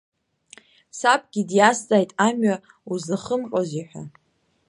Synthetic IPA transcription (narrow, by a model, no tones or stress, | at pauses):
sapʼɡʲidjast͡sʼajtʼamɥa | uzaχəmqʼoziħᶣʷa̰